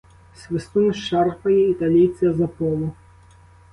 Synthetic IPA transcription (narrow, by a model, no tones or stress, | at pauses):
sʲvʲɨst̪unɨʂarpɐjɛit̪alʲijt̪sɨɐzɐpɔlˠu